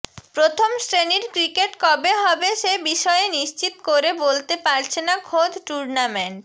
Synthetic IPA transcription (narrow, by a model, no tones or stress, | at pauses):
pɾot̪ʰomsʈɾeniɾkɾikeʈkɔbeɦɔbeʃebiʃɔeniʃt͡ɕit̪okoɾebolt̪epaɾt͡ɕʰenakʰod̪ʱʈuɾnameɳʈ̚